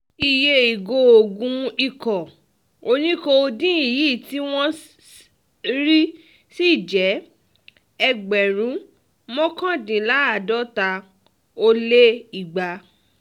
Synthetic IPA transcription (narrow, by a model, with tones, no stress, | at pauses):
i˨je˧i˨ɡo˧o˧˨ɡũ˧i˧˨kɔ˨ | o˧nĩ˦ko˧o˧dĩ˦i˨ji˨˦˨ti˦w̃ɔ̃˦ | ɾi˦ | si˦˨d͡ʒɛ˨˦ | ɛ˧ɡ͡bɛ˨ɾ̃ũ˨˦ | mɔ̃˦kã˦˨dĩ˨la˨˦a˦˨dɔ˦ta˧ | o˦˧le˦i˨ɡ͡ba˨˦